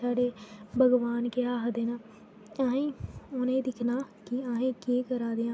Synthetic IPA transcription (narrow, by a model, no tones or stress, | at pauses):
saːɖeːbʱəɡʋaːnkeaːɦd̪eːnaː | aːẽːonẽːd̪ɪkʰnaː | kɪaːɦẽːkeːkəɾaːd̪eːãː